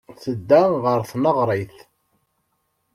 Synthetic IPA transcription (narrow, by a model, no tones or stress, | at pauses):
θəd̪ːæʁəɾθnəʁɾˤəθ